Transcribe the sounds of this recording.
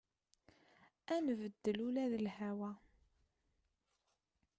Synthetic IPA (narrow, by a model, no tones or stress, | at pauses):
ænvəd̪ːəlulæðəlhæwæ